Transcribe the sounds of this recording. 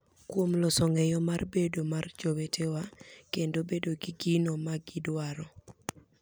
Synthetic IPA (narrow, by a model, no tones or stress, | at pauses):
kwomlɔsɔŋɛjɔmarbedomard͡ʒowetʰewakendobedoɡiɡinomaɡɪdwaɾɔ